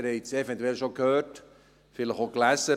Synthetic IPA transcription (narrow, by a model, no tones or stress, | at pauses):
ɾhɛɪt͡sɛvɛntuɛlʃokhøːt | fɪləχoklæsə